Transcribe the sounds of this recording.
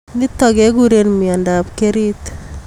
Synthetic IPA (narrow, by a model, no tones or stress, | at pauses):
nit̪ɔɡeɡuɾenmiandapkeɾit̪